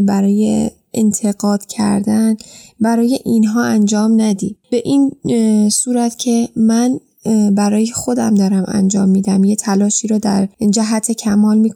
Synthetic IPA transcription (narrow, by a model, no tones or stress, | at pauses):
bæɾɒːje̞̰ | ʔent̪ʰe̞ɡɒːd̪̥cʰæ̰ɾd̪ænbæɾɒːje̞ʔinɦɒːænd͡ʒɒːmnæd̪iːb̥e̞ʔinsuːɾæt̪ʰcʰe̞mæn | bæɾɒːjexo̞d̪æmd̪ɒːɾæmæ̰nd͡ʒɒːmːiːd̪æmjet̪ʰælɒːʃiːɾɔːd̪æɾd͡ʒæɦæt̪ʰe̞cʰæmɒːlmiːkʰ